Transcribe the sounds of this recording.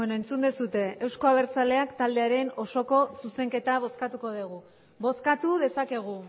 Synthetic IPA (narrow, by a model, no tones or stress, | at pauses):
enoent͡sund̪esut̪e̞ewsko̞aβ̞e̞ɾt͡sale̞akt̪ald̪e̞aɾe̞no̞so̞ko̞suse̞ŋke̞t̪aβ̞o̞skat̪uko̞ð̞eɣ̞u | βo̞skat̪uðe̞sake̞ɣ̞u